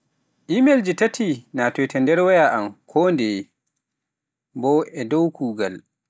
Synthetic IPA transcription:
ʔimeld͡ʒitatʰinatɔtɛndɛɾwajaʔamkʰɔːndɛ | bɔʔɛdowkʰuːɡal

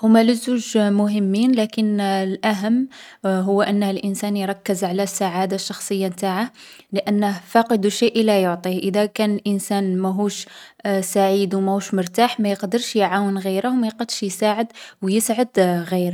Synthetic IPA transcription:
hʊmːæləzːuʒmʊɦəmːiːnlækənlʔæɦəmː | ɦʊwːʔənːhəlʔənsænjɾˤɑkːəzʕalæsːaʕad̪aʃːɑxsˤəjːat̪aʕah | ləʔænːəhfɑqəd̪uʃiʔəlːæjʊʕt̪ˤihʔəd̪ækænəlʔənsænmæɦuʃsaʕid̪wmæhuʃmʊɾt̪aħmæjəqd̪əɾʃjʕawənɣiɾahwmæjqɑd̪ʃjsaʕəd̪wjəsʕəd̪ɣiɾ

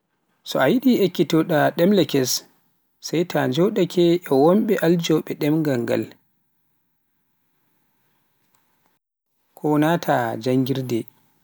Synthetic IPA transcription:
sɔajiɗiekːitɔɗaɗɛmlɛkɛs | sajtaɲd͡ʒɔwɗakʰɛʔɛwɔmɓɛʔald͡ʒɔɓɛɗɛmŋɡaŋɡa̰l | kʰɔnatʰad͡ʒaŋɡiɾdɛ

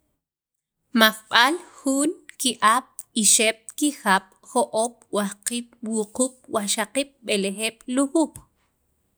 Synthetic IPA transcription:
maχɓalxuːnkiʔaɓ̥iʃeɓ̥̚kixaɓ̥ | χoʔoːɓwahqiːɓ̥wuquːɓ̥̚waχʃaqiːɓ̚ɓelexeːɓ̥luxuːɓ̥

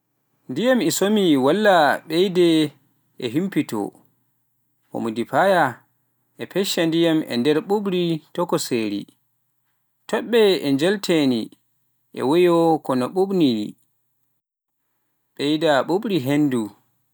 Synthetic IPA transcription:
ndijamɛsomiwalːaɓɛjdɛ | ɛɦimpitɔ̰ | ho̰mudipaja | ʔɛpɛʃandijamɛ̰ndɛɾɓuɓɾitɔkɔseːɾḭ | tɔɓːɛɛɲd͡ʒɛltʰeni | ʔɛ̰wɔjɔkɔnɔɓuɓni | ɓɛjdaɓuɓɾiɦendu

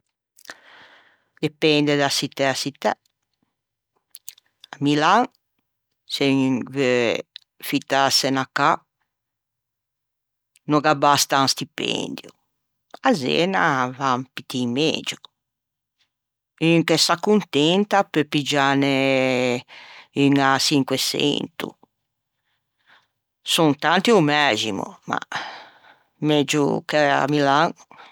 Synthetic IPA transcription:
d̪̥ɛpɛnd̪ɛd̪asit̪ːɛasit̪ːɛ | amilaŋ | seve | fit̪ːasɛnaka | nɔɡabast̪anst̪ipɛ̰nd̪ju | azɛ̰ːnavampit̪ːimḛd͡ʒu | iŋkɛsakːunt̪ɛnt̪apepid͡ʒaːnɛ | iŋasiŋkwɛsɛ̰nt̪ṵ | sunt̪ant̪iumɛzḭmṵma̰ | med͡ʒṵkɛa̰milaŋ

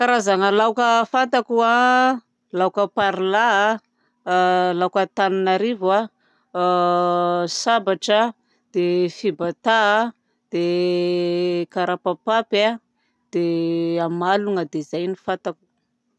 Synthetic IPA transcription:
kaɾazaŋəlawkəfant̪akua | lawkəpaɾila | lawkət̪ananaɾiva | sabaʈ͡ʂə | d̪̥efibat̪a | d̪̥e | kaɾapapapa | d̪̥eamaluŋəd̪ezajnifat̪aku̥

